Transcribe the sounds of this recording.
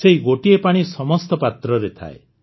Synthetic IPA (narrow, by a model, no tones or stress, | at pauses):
seɦiɡoʈiepaɽ̃isɔmɔst̪ɔpat̪ɾɔɾet̪ʰa̰ḛ